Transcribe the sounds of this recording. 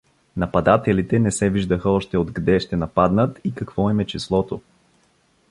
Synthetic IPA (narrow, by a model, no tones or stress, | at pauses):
nɐpɐd̪at̪ɛlit̪ɛnɛsɛviʒd̪əxəɔʃt̪ɛod̪ɡd̪ɛʃt̪ɛnɐpad̪nət̪ikɐkv̥ɔimɛt͡ʃislˠɔt̪o